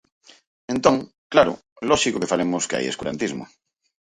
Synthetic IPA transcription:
ẽnt̪õŋ | klaɾʊ̰ | lɔʃikokefalemʊskea̰jeskuɾa̰nt̪izmʊ̰

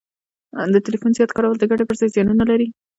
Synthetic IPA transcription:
d̪ətɪlifunzijɑt̪kɑɾawald̪əɡaɽepəɾzɑjzjɑnunalaɾi

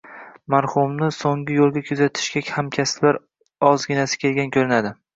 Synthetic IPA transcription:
maɾχhʊmnɪsoŋɡʲɪjolˠɡʲakʲʰʊzat̪ʰɪ̥ʃɡʲakhamkʲʰaslaɾ | ɒzɡʲɪnasɪ̥kʲʰelɡʲankʲʰɵɾɪnad̪ɪ

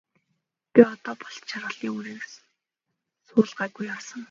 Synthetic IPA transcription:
peɔt̪ɔːpɔɮt̪t͡ɕʰarʁə̆ɮiːŋuɾiːk | sʊːɮɢæːɡujarsə̆ŋ

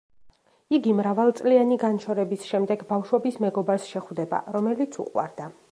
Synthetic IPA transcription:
iɡimɾavalˠt̪sʼlianiɡanʃʰɔɾɛbisʃɛmd̪ɛɡbafʃwɛbismɛɡɔbaɾsʃɛχwvd̪ɛba̰ɾɔmɛlit̪sʰṵqʼwa̰ɾd̪a

